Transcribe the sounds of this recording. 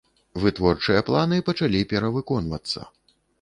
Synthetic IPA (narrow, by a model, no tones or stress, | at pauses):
vɨt̪vɔrt͡ʂɨjɐplˠanɨpɐt͡ʂalʲipʲɛɾɐvɨkɔnvɐ̰t̪sːɐ̰